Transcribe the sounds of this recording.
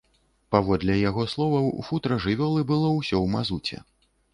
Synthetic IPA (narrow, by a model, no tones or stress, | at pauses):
pavɔd̪lʲɛjaɣɔslˠɔvɐwufut̪ɾɐʐɨvʲɔlˠɨbɨlˠɔwsʲɔwmazut͡sʲɛ̰